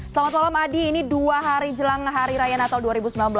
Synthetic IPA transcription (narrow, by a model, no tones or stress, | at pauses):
səlamat̪̚malamadiːniduaɦaɾid͡ʒəlaŋɦaɾiɾajanat̪awduaɾibusəmbilanbəla